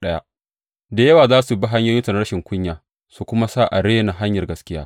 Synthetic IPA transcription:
ɗɐ˦ja̰˦ | da˨jɐ˦waː˨zaː˦su˨ba˦ɦa˦ɲjoː˦jɪ˦tɐ˨nɽɐ˦ʃɪ˨ŋkʷʊ˦ɲjaː˨ | su˨kʷʊ˦ma˦sa˦˨ʔa˨ɽeː˦na˨ɦa˦ɲjɐ˨rɡɐ˦skʲɪ˦jaː˦

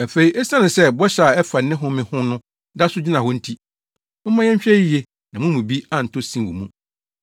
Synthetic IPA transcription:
a˨fe˨i˦ʔɛ˦sã˦nɪ̃˨sɛ˦bɔ˦ɕa˨ɛ˦fa˨nː˦ɪ̃˦ɦʊ̃˦mɪ̃˨hʊ̃˦nʊ̃˦ | da˦sʊ˦d͡ʑi˦nã˨hɔ˦n̩˦tʰi˦ | mã˦jɛ̃˦ɲ˦ɕᶣɛ˦i˦jɛ˦ | nã˨mʊ̃˦mũ˨bi˦a˨n̩˨tʰʊ˦sĩ˦˨wṵ˨mũ˦

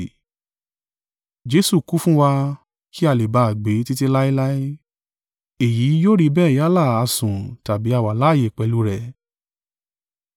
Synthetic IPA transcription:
d͡ʒe˨˦su˦˨ku˦fũ˦wa˧ | ki˦a˧˨le˨ba˧˨ɡ͡be˨˦ti˦ti˧la˦i˦la˦i˦ | e˨ji˨˦joː˦ɾi˦˧bɛ˦˨ja˦la˦˨a˧sũ˨ta˨bi˨˦a˦˨wa˨la˦˨je˨k͡pɛ˧lu˧˦ɾɛ˨

